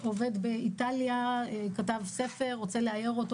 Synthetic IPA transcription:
ove̞d̪beitaljaekatavse̞fe̞ʁːot͡seleajeʁot

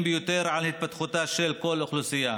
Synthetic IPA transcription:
mbɪjʊt̪eɾʕalhɪt̪̚fat̪xʊt̪aːʃeːlkolʔʊxlusɪjːa

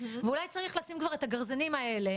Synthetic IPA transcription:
veulajt͡saʁiχlasimkvaʁe̞t̪aɡaʁzanimaele̞

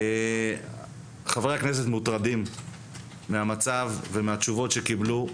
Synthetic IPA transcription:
e | χavʁeaknes̬et̪mut̪ʁad̪imː | eamat͡savːemeat͡ʃuvo̞t̪ʃekiblu

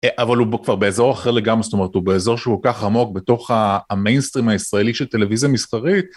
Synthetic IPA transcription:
eʔavalubkv̥aʁbe̞ːzo̞ʁaχeʁleɡamʁesot̪o̞me̞ʁet̪hube̞ːzo̞ʁʃeukolkaχamo̞kbe̞to̞χaːmejnst̪ʁimaisʁaeliʃelte̞le̞vizjamisχaʁit̪̚

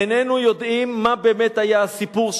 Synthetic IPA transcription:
enenujod̪imːabeːmet̪hajaasipuʁʃ

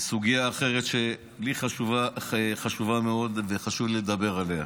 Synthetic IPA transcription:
suɡijaːχe̞ʁet̪ʃe | bliχaʃuvaχaʃuvameo̞d̪veχaʃuvled̪abe̞ʁalea

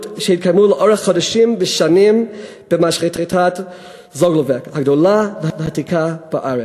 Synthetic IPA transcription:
tʃɛhit̚kʰajmuləʔoʁeχːodaʃimbəʃanim | b̥əmaʃʁitʁitʰat | zoɡlovekhaɡdolavəavəhatikʰab̥aʔaɾe

